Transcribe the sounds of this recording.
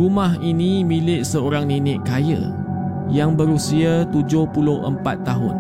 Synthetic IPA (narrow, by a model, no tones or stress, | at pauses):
rumaɦinĩmilɪʔsəoɾaŋninɪʔkajə̰ | jaŋbəɾusiat̪ud͡ʒʊhpulʊhʔə̰mpat̪ːaɦʊ̰n